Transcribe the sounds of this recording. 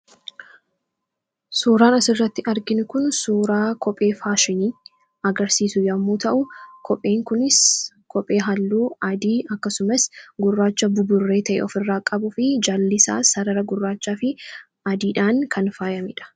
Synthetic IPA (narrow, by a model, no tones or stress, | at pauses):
suːɾaːnɐsɪrːɐt̪ːɪʔɐɾɡɪnʊkʊnsuːɾaːkʰɔpʼe̞ːfaːʃɪniː | ɐɡɐɾsiːsʊjɐmːuːt̪ʰɐʔʊkʰɔpʼːe̞ːŋkʊnɪs | kʰɔpʼːe̞ːɦɐlːuːɐd̪iːɐkːɐsʊmɐsɡʊrːaːt͡ʃːɐbʊbʊrːe̞ːt̪ɐʔɛ̰ʔɔfɪrːaːkʼɐbʊfɪd͡ʒaːlːɪsa̰ːsɐɾɐɾɐɡʊrːaːt͡ʃːaːfɪ | ɐd̪iːᶑaːŋkʰɐnfaːjɐmɪᶑɐ̥